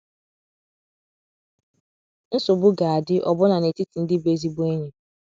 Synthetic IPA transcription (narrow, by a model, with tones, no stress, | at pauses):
n̩˦sʊ˨bʊ˦ɡa˨a˨dɪ˦ʔɔ˨bʊ˦na˨ne˨ti˦ti˨n̩˦dɪ˦be˦zi˦bʊ˦e˦ɲe˨